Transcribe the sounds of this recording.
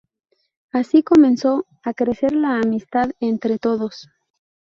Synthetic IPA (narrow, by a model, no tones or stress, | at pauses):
asiko̞mẽ̞nso̞ | akɾe̞se̞ɾlaːmist̪aðe̞nt̪ɾe̞t̪o̞ðo̞s